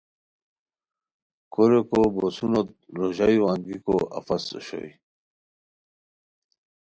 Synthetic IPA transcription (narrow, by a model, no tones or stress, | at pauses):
kʰoɾekobosunot̪̚ɾoʑajuaŋɡikoa̰faso̰ɕo̰j